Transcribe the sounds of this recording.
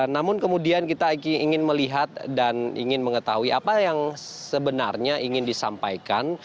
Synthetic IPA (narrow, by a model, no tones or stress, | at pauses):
namʊnkəmudiankit̪aiŋɪnməliɦat̪̚danḭŋɪnməŋət̪aɦuiapajaŋsəbənarɲaiŋɪndisa̰mpa̰jkan